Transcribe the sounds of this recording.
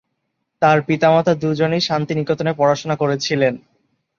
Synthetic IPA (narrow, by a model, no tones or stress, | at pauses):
t̪aɾpit̪amat̪ʰad̪ud͡ʑonejʃant̪inikot̪onepɔɾaʃonakoɾet͡ɕʰilen